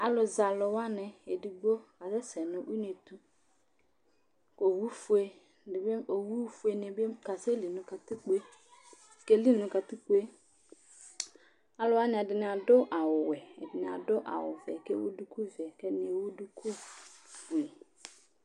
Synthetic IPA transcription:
a˨lʊ˨za˨lʊ˨wa˦nɛ˨e˨di˨ɡ͡bo˦ka˨sɛ˦sɛ˨nʊ̃˦wi˦n˦e˨t̪u˦ | ko˨wu˦fu˦e˦ | ɪ˨be˦o˨wu˦fu˦e˨ne˨be˦ka˨se˦li˨nʊ̃˨ka˨t̪ɪ˦k͡pe˦ | ke˦li˦nʊ̃˨ka˨t̪ɪ˦k͡pu˦e˦ | a˨lʊ˨wa˦nɪ̃˨dɪ˨nɪ̃˨a˨dʊ˦ʔa˨wʊ˨wɛ˨ɛ̰˨dɪ˨nɪ̃˨a̰˨dʊ˦ʔa̰˨wʊ̰˨vɛ̰˨kḛ˦wṵ˦du˦ku˦vɛ˨ke˦nɪ˨e˨wu˦du˦kʰu˦ | we˨

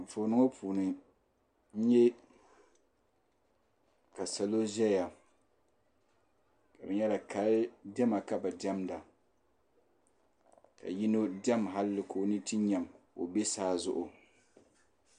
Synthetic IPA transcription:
foː˨nɨ˦ŋo˦pʰuː˨nɨ˨ | n̩˦ɲɛ˦ | ka˨sa˨lo˦ʒɛ˦ja˨ | ka˨bɨ˨˦ɲɛ˦da˨ka˦ldɛ˦ma˨ka˦ba˨di˦ɛ˦mda˨ | ka̰˨ji˦no˦dɛ˦mɦa˦llɨ˨kʰoː˨nɨ˦ti˦ɲa˨m | o̰˨be˦saː˦zʊ˦ʔʊ˨

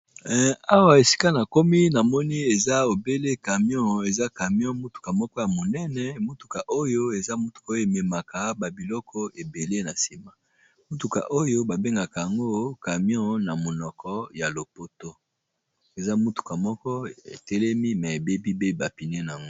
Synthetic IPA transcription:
a˦wa˨e˨si̥˦ka˦na˨ko˦mi˦na˨mɔ˦ni˦e˨za˦o˨be˦le˦ka˨mjɔ̃˦˨e˨za˦ka˨mjɔ̃˦mu˦tu̥˨ka˨mɔ˦kɔ˦ja˨mo˨nɛ˦nɛ˨mo˦tu̥˨ka˨ʔo˦jo˦e˨za˦mu˦tu̥˨ka˨˦o˦jo˦e˨me˨ma˨ka˨ba˨bi˨lɔ˦kɔ˦e˨be˨le˦na˨si˨ma˦ | mu˦tu˨ka̰˨ʔo˦jo˦ba˨be˦ŋɡa˨ka˨ja˨ŋɡo˦ka˨mjɔ̃˦na˨mo˨nɔ˨kʰɔ˦ja˨lo˨po˦to˦ | e˨za˦mu˦tu̥˨ka˨mɔ˦kɔ˦ḛ˨tɛ˦lɛ˦mi˦mɛ˨e˨be˦bi˦be˦ba˨pi˨ne˦na˨a˨ŋɡo˦

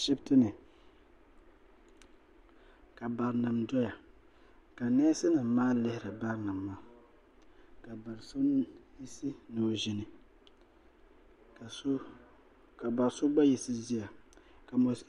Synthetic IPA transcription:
ʃɪ˦btɨ˦nɨ˨ | ka˨ba˨ɾnɨ˨mdɔ˦ja˨ | ka˨nɛː˦sɨ˦nɨ˨m˨maː˦lɪ˦hɪ˦ɾɨ˨ba˦ɾnɨ˨mːaː˦ | ka˨ba˨ɾso˦ji˦si˦nɨ˨ʒɪ˦nɪ˨˦ | ka˨ba˨ɾso˦ba˦ji˦sɨ˦zi˦ja˨ka˨mo˨

